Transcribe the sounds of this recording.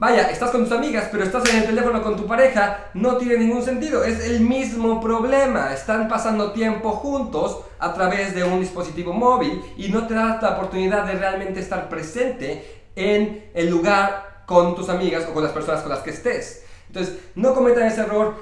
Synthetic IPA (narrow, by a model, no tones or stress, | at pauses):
baʝaʔest̪asko̞nt̪usamiɣaspe̞ɾo̞est̪as̬e̞nelt̪e̞le̞fo̞no̞ko̞nt̪up̬aɾe̞xa | no̞t̪jenenĩŋɡuns̬e̞nt̪̬iðo̞e̞se̞lmizmo̞pɾo̞βle̞maest̪ampasand̪o̞t̪je̞mpo̞xunt̪o̞s | a̰t̪ɾaβe̞zðe̞und̪ispo̞sit̪iβo̞mo̞βilino̞t̪e̞ðat̪aopoɾt̪uniðaððːe̞realment̪eːst̪aɾpɾe̞se̞nt̪e̞ː | ene̞lːuɣaɾko̞nt̪usamiɣaso̞ko̞nlaspe̞ɾso̞nasko̞nlaskeːst̪e̞sent̪o̞nsesno̞ko̞me̞t̪ane̞seero̞ɾ